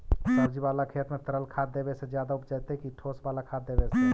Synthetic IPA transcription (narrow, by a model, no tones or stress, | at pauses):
səbd͡ʒibaːlakʰet̪mẽt̪əɾəlkʰad̪ːebesed͡ʒjaːd̪aʊpd͡ʒat̪ekiʈʰosbaːlakʰad̪ebese